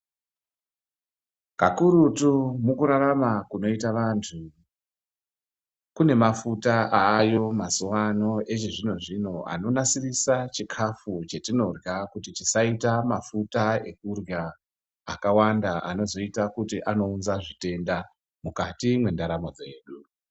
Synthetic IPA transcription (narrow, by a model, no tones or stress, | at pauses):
kakuɾutumukuɾaɾamakuno̞itaʋantʰu | kune̞mafutaʔaːjo̞mazuwano̞et͡ʃeʐino̞ʐino̞ʔa̰no̞nasirisat͡ʃikʰafut͡ʃe̞tino̞rjakutitisaitamafutae̞k̚urja | a̰kawandaʔa̰no̞zo̞itakutiʔano̞unzaʐite̞nda | mukatimwe̞ndaɾamo̞d͡ze̞ːɗu